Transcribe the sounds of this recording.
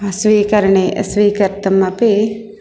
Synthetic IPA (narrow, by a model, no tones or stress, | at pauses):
ɐsʋiːkɐɾɐɳeʔɐsʋiːkɐɾt̪ɐmɐpe